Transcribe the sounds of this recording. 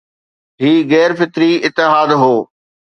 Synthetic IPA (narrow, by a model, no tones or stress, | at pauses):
ɦiːɣɛːɾfɪt̪ɾiɪt̪ːɪɦaːd̪ɦoː